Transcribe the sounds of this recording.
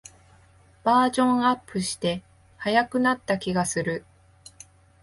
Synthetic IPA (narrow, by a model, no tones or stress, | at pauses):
b̥aːʑõ̞ɰ̃apːɯ̟ɕi̥t̪e̞ | hajakɯ̟nat̪ːakʲiɡasɨɾɯ̟